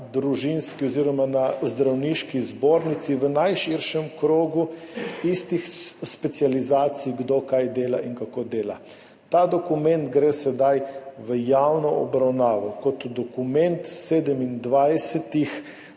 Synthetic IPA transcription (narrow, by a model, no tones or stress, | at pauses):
d̪ɾuʒinskiɔziːɾɔmanazd̪ɾawniʃkizboːɾnit̪siʋənajʃiɾʃɛmkɾoːɡuist̪ixspɛt̪sializaːt̪sijɡd̪okajd̪eːlaʔiŋkakod̪eːla | t̪ad̪ɔkumɛnt̪ɡɾeːsɛd̪ajʋəjawnɔɔ̰bɾawnaːʋɔkɔt̪d̪ɔkumɛnt̪seːd̪əmind̪ʋajsɛt̪ix